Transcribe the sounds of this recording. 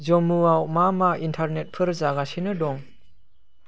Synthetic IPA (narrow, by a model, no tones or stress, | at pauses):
zɔmuawmamaintʰaɾnet̚pʰɯɾzaɡasinɯdɔŋ